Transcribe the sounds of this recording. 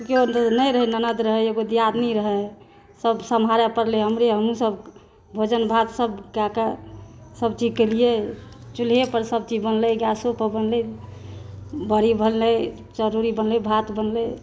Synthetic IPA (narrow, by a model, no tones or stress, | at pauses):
konəjɾəɦɛnənəd̪ɾəɦɛeɡod̪jad̪nɛɾəɦɛ | səbsəmɦaɾɛpəɾleɦəmɾeɦəmusəb | bʱod͡ʒənbʱad̪səbkakasəbt͡ʃid͡ʒkəlije | t͡ʃulɦepəɾsəb̚t͡ʃid͡ʒbənləɡasopəbənlɛ | bəɾibʱənle | d͡ʒəɾuɾibənlebʱat̪bənlɛ